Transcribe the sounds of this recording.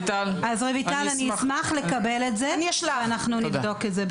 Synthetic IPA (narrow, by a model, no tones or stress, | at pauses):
t̪alazʁevitalanismaχle̞kabe̞letzenjaʃlaanaχnunivdo̞ketze